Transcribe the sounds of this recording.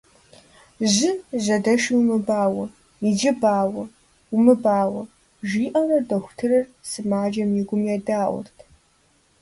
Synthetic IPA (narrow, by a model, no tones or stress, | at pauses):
ʑɪʑɐdɐʃiwmɨbaːwɐ | id͡ʒɪbaːwɐ | ʊmɨbaːwɐ | ʒiːʔɐrɐdɐxʷʊ̥tʰɨrɨrsɨmaːd͡ʒɐmjɪɡʷʊmjɛdaːʔʷʊ̰rtʰ